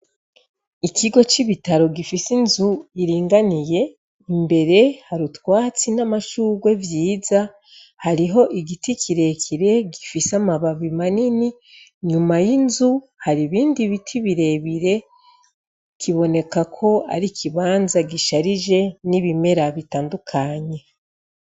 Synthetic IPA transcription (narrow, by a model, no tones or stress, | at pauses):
ikʰiɡo̞t͡ʃiβitaɾo̞ɡifisinzuiɾiːŋɡanije̞ | imbe̞ɾe̞haɾutwaːt͡sinamaʃuɡwe̞vjiːza | haɾiɦo̞ʔiɡitikʰiɾe̞kʰiɾe̞ɡifisamaβaβimanini | ɲumajinzu | haɾiβiːndiβitʰiβiɾe̞βiɾe̞ | kʰiβo̞ne̞kakʰo̞a̰ɾikʰiβaːnzaɡiʃaɾiʒe̞niβime̞ɾaβitaːndukʰaɲe̞